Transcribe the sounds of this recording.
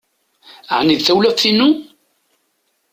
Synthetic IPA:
əʕniðθæwlæfθinu

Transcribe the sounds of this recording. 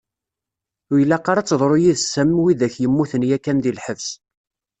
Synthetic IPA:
ʊjəlːæqːɑɾˤɑt͡sːðˤɾˤojiðsæmwiðæçjəmːuθənjækːænðilħəvs

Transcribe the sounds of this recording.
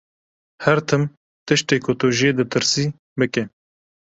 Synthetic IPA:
hɛɾt̪ʰɨm | t̪ɨʃt̪eːkʰʊt̪ʊʒed̪ɨt̪ʰɨɾsiː | bɨke

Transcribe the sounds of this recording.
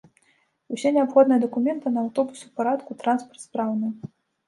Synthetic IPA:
usʲɛnʲɛapxɔd̪nɨjɐd̪ɐkumʲɛnt̪ɨnɐawt̪ɔbusupaɾat̪kut̪ɾanspɐrt̪spɾawnɨ

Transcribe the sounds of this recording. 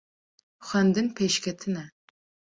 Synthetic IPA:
χʷɐnd̪ɨnpʰeʃkʲʰɐt̪ʰɨnɐ

